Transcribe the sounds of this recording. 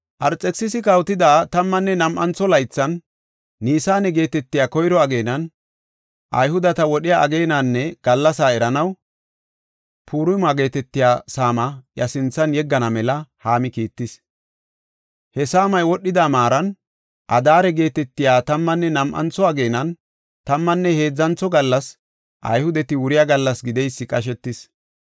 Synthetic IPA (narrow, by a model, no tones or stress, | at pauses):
ʔɐɾt͡sʼːɛsːɪsɪkɐwt̪ɪd̪aːt̪ɐmːɐnːɛnɐmʔɐnt͡sːɔlɐjt͡sːɐnː | iːsaːnɛɡe̞ːt̪ɛt̪ːɪjaːkɔjɾɔɐɡe̞ːnɐn | ʔɐjhʊd̪ɐt̪ɐwɔɗɪjaɐɡeːnanːɛɡ̥ɐlːɐsaːɛɾɐnɐw | pʰuːɾʊjmaːɡe̞ːt̪ɛt̪ːɪjaːsaːmɐjɐsɪnt͡sːɐnjɛɡːɐnɐmɛlɐhaːmɪkiːt̪ːɪs | hɛsaːmɐjwɔɗːɪd̪aːmaːɾɐn | ʔɐd̪aːɾɛɡe̞ːt̪ɛt̪ːɪjaːt̪ɐmːɐnːɛnɐmʔɐ̰nt͡sːɔaɡejːnɐn | t̪ɐmːɐnːɛhe̞ːd͡zːɐnt͡sːɔɡɐlːɐs | ʔɐ̰jhʊd̪ɛt̪ɪwʊɾɪjaɡɐlːɐsɡɪd̪ɛjsːɪkʼɐʃ̬ɛt̪ːɪs